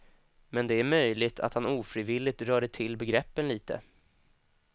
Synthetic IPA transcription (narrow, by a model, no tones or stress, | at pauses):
mɛnd̪ɛæɾmœjlɪɡt̪ʰa̰t̪hanuːfɾiːvɪlːɪɡ̚t̪ɾœːɖəʈʰɪlːbɛɡɾɛpːənliːt̪ə̰